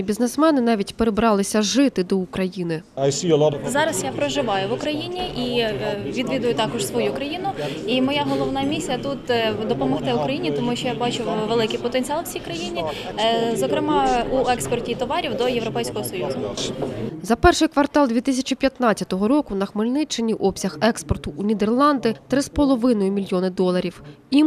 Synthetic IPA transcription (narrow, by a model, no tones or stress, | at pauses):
bʲiznesmɛnɪnɑʋʲitʲpeɾebɾɑlˠɪsʲɐʒɪt̪ɪd̪ɔʊkɾɐjinɪɐjsʲilˠɔzɑɾɐsjapɾɔʒɪʋɑjʊʋʊkɾɐjinʲiʔiʋʲid̪ʋʲid̪ʊjʊt̪ɑkɔʒsʋɔjukɾɐjinʊimɔjaɦɔlˠɔʋnɑmʲisʲijɐt̪ut̪d̪ɔpɔmɔxt̪ɪʊkɾɐjinʲit̪ɔmuʃt͡ʃɔjabɑt͡ʃʊʋelˠɪkɪjpɔt̪enʲt͡sʲiɑlˠwt͡sʲijkɾɐjinʲi | zɔkɾɪmɑuɛkspɔrtʲit̪ɔʋɑɾʲiwd̪ɔjeʋɾɔpɛjsʲkɔɦɔsɔjuzʊ | zɐpɛrʃɪjkʋɐrt̪ɑlˠd̪ʲʋʲit̪ɪsʲɐt͡ʃipʲjɐt̪nɑt͡sʲɐt̪ɔɦɔɾɔkʊnɐxmɪlʲnɪt͡ʃːɪnʲiʔɔpsʲɐxɛkspɔrt̪ʊʔunʲid̪erlˠɑnd̪ɪt̪ɾɪspɔlˠɔʋɪnɔjʊmʲilʲjɔnɪd̪ɔlˠɐɾʲiw | im